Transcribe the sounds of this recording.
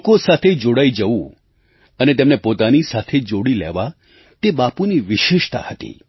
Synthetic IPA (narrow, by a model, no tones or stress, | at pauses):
kosat̪ʰed͡ʒoɽaid͡ʒəʋũ | ənet̪emnepot̪anisat̪ʰed͡ʒoɽilḛʋa | t̪ebapuniʋɪʃɪʃt̪a̰hət̪ḭ